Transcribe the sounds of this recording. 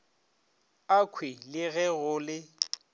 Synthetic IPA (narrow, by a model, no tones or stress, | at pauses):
akʰwɪlɪɣɛɣʊlɪ